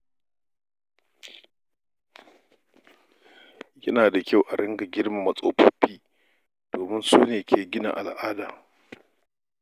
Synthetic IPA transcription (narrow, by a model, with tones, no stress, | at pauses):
jɐ˦naː˨da˨kʲa˦˨wʔa˨ɽɪ˦ŋɡa˨ɡʲɪ˦ɽma˨mɐ˨sʼoː˦ɸʊ˦ɸiː˦ | d̥oː˨mɪ˦nsuː˦neː˨kʰʲeː˨ɡʲɪ˦na̰˨ʔa̰˨lʔaː˦daː˨